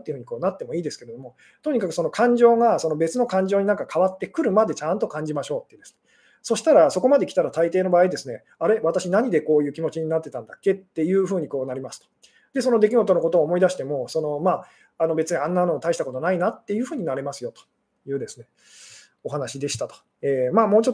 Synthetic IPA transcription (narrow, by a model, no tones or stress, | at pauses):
t̪ːei̟ɯ̟ɲ̟iko̞ːnat̪ːe̞mo̞iːd̪e̞sɨ̥ke̞ɾe̞d̪o̞mo̞ | t̪o̞ɲ̟ikakɯ̟̥so̞nokʰãɲ̟d͡ʑo̞ːŋaso̞nobe̞t͡sɨno̞kãɲ̟d͡ʑo̞ːɲ̟inãŋkakʰaβat̪ːe̞kɯ̟ɾɯ̟mad̪e̞t͡ɕãnt̪o̞kãɲ̟d͡ʑimaɕo̞ːt̪ːed̪esɨ̥ne | so̞ɕi̥t̪aɾaso̞ko̞mad̪e̞kʲi̥t̪aɾat̪ait̪eːno̞baːid̪e̞sɨne̞ | aɾe̞βat̪aɕinaɲ̟id̪e̞ko̞ːjɯ̟ːkʲimo̞t͡ɕiɲ̟inat̪ːe̞t̪ãnd̪akːe̞t̪ːe̞jɯ̟ːɸɯ̟ːɲ̟iko̞ːnaɾʲimasɨ̥t̪o̥ | d̪e̞so̞nod̪e̞kʲiɡo̞t̪o̞noko̞t̪o̞ːmo̞id̪aɕi̥t̪e̞mo̞so̞no̞maː | anobe̞t͡sɨɲ̟iãnːano̞ːt̪aiɕi̥t̪ako̞t̪o̞nainat̪ːe̞jɯ̟ːɸɯ̟ːɲ̟inaɾe̞masɨjo̞t̪o̥ | jɯ̟ːd̪e̞sɨne̞ | o̞ɦanaɕid̪e̞ɕi̥t̪at̪o̥ | eːmaːmo̞ːt͡ɕot̪ː